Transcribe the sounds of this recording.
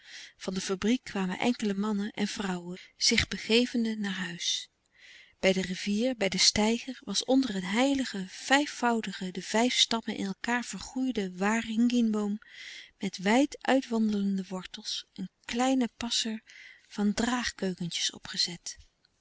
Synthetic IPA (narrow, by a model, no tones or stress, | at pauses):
v̥ɑndəfabrikʰːʋaːmə̰nʔɛ̰ŋkələmɑnənʔɛ̰nvrɑwəz̥ɪχbəχejvəndənaːɹɦœɥs | b̥ɛjdəriviːɹbɛjdəstɛjχəɹʋɑsɔndərənɦɛjləχəv̥ɛjfɑwdəχədəvɛjfstɑpənʔɪ̰nɛlˠkaːɹv̥əɹχujdəʋaːrɪŋɡɪnbowmːɛtʋɛjtʔœɥtʋɑndələndəʋɔɹtəlˠsʔənklɛjnəpɑsəɹv̥ɑndraːχkøɥkəntə̥sɔ̰pχəzɛt